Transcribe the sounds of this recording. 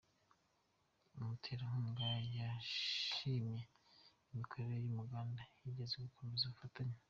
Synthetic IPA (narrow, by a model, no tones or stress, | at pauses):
umutʰeːɾahuːŋɡajaʃimje̞imikʰo̞ɾeɾejumuɡaːndajiɟezeɡukʰomezaufataɲa